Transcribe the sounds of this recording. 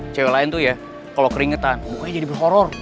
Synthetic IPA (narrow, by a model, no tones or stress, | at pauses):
t͡ʃewelaɪnt̪uja | kalokəɾiŋət̪anmukaɲad͡ʒadibərɦoɾɔr